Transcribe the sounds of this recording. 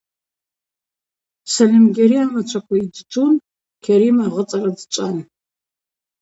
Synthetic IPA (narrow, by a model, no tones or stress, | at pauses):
sɐlɪmɡʲeɾiamɐt͡ʃʷʰɐkʷʰɔidɨd͡ʒʼun | kʰɐɾiːmaʁət͡sʼɐrɐd͡zɨt͡ʃʼan